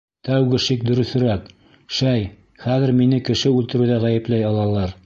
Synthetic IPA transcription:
t̪æwɡɘʃikd̪ɵ̆ɾɵ̆θ̆ɾæk | ʃæj | χæðɘ̆ɾminɘkɘ̆ʃɘʉlt̪ɘ̆ɾʉðæʁæjɘ̆plæjɑlˠɑlˠɑɾ

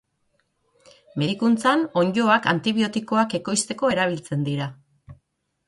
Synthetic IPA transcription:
me̞ðikunt͡sano̞ɲɟo̞akant̪iβio̞t̪iko̞ake̞ko̞jst̪e̞koe̞ɾaβ̞ilt͡se̞nd̪iɾa

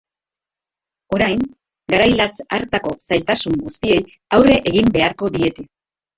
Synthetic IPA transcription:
o̞ɾajŋ | ɡaɾajlasa̰ɾt̪ako̞sajlt̪asuŋɡust̪ie̞j | awre̞ʔeɣimbe̞aɾko̞d̪ie̞t̪e̞

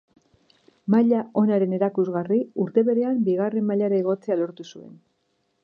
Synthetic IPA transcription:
maʎao̞naɾe̞ne̞ɾakuzɣariuɾt̪e̞βe̞ɾe̞ambiɣ̞are̞mːaʎaɾaeɣ̞o̞t͡sealo̞ɾt̪usue̞̰n

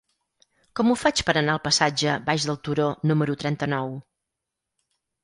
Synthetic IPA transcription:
kɔmufat͡ʃpəɾənaəlˠpəsad͡ʒəbaʒðəlˠt̪uɾonuməɾut̪ɾɛnt̪ənɔw

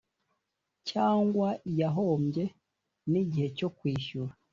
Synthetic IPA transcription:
caːŋɡwaijaɦo̞ːmɟe̞ | niɟihe̞co̞kwiːʃuɾa

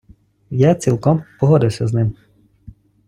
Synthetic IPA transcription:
jat͡sʲilˠkɔmpɔɦɔd̪ɪwsʲɐznɪm

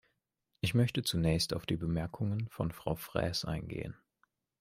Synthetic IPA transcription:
ʔɪçmœçtət͡sunɛːçsta̰ʊfd̥iːbəmɛɐkʰʊŋənfɔnfʁ̥a̰ʊfʁ̥ɛ̰ːsʔa̰ɪnɡḛːə̰n

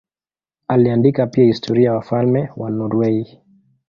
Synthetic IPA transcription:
aliandikapiahistʰɔɾiajawafalmɛwanɔɾwɛi

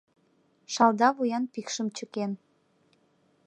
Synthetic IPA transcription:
ʃɑld̪ɑβujɑnpikʃəmt͡ɕəken

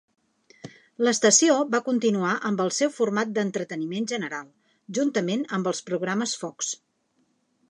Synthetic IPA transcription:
ləst̪əsioβakunt̪inuaʔəmbəlˠsɛwfurmat̪̚d̪ənt̪ɾət̪ənimenʒənəɾalˠ | ʒunt̪əmenəmbəlˠspɾuɣ̞ɾaməsfɔks

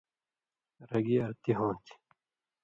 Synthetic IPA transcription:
ɾɐɡiɐɾt̪iɦõːt̪ʰ

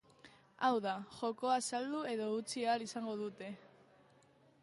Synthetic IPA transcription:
awðaʝo̞ko̞asald̪ue̞ðo̞ut͡sialisaŋɡo̞ð̞ut̪e̞

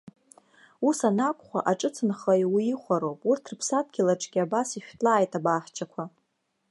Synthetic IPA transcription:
usanakʷʼχʷaʔaʈ͡ʂʼɨt͡sʰɨnχajwiiχʷaɾo̞wpʼurtʰrpʰsat̚ʰʼɡʲɪlaʈ͡ʂʼɡʲɪabasiʃᶣtʼlaːjtʰʼabaħt͡ʃʰakʷʰa

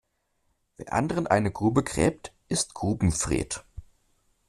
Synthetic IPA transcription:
veːɐʔa̰ndəʁənʔa̰ɪnəɡʁuːbəɡʁ̥ɛ̰ːp̚tʔɪstɡ̥ʁuːbm̩fʁ̥ḛːt

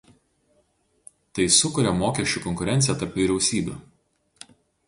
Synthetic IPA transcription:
t̪ɐɪsʊkʊɾʲɛmoːkʲɛʃʲt͡ʃʲuˑkɔŋkʊɾʲɛnt̪sʲjɛt̪ɐɾpʋʲiːɾʲɛʊsʲiːbʲṵˑ

